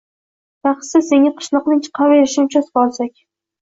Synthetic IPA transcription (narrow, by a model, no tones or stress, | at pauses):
baχsɪseŋʲaqʰɨ̥ʃlˠɒqnɪŋt͡ʃʰɨ̥qʰɑveɾɪʃɪmt͡ʃʰasqɒlˠsakʲ